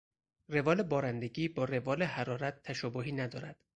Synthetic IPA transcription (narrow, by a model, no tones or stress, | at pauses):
re̞vɒːle̞bɒːɾænd̪e̞ɡiːbɒːɾe̞vɒːlehæɾɒːɾæt̪ʰːæʃɒːboɦiːnæd̪ɒːɾæd̪̥